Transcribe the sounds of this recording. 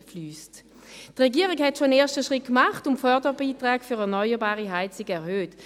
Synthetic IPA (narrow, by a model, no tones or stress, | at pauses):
flyːst | tʁɛɡiːʁɪkhɛtʃoəneːɐʃtəʃʁɪt̚kmaχtʊmfœɐdəbiːtʁaːkfyːʁɛɐnɔʏəbaːʁiɦaɪt͡sɪɡəɛɐhøːt